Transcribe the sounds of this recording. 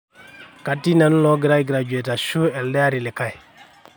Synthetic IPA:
ka˨tːi˦na˨nu˦lɔ˦ɡi˨ɾa˦jɡi˨ɾa˨d͡ʒu˨e˨ta˨ʃu˦ɛ˨ldɛ˦a˦ɾi˨li˨ka˦j

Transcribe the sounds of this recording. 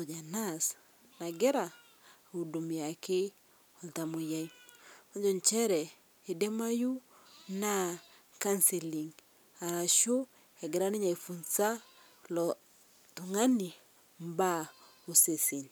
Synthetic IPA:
ɔ˨d͡ʒa˨na˦s | na˨ɡɛ˦ɾa˨ | u˨du˨mi˨a˨ke˦ | ɔ˨lta˨mo˨ja˦i˦ɔ˦ɲd͡ʒɔ˨ɲt͡ʃɛ˦ɾɛ˨ | e˨de˦ma˦ju˦ | na˦ | ka˦nse˨li˨ŋ | a˨ɾa˨ʃo˦ | ɛ˨ɡɛ˨ɾa˦ni˦ɲa˨i˨fu˨nsa˦ | lɔ | tu˨ŋa˦ni˨ | m˦ba˦ | o˨se˨si˨n

